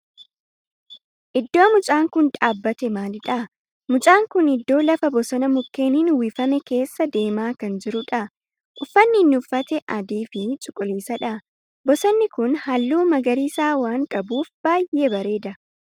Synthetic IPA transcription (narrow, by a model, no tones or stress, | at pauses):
ʔɪd̪ːo̞ːmʊt͡ʃʼaːŋkʊnᶑʼaːbːɐt̪ɛmaːlɪᶑɐ | mʊt͡ʃʼaːŋkʊnɪd̪ːo̞ːlɐfɐbɔsɐnɐmʊkːe̞ːniːnwifɐmɛke̞ːsːɐd̪e̞ːmaːkɐnd͡ʒɪɾʊᶑɐ | ʔʊfːɐnːɪnːʊʊfːɐt̪ɛʔɐd̪iːfɪt͡ʃʼʊkʼːʊliːsɐᶑɐ | bɔsɐnːɪkʊnhɐlːuːmɐɡɐɾiːsaːwaːŋkʼɐbuːfbaːjʔebɐɾe̞ːd̪ɐ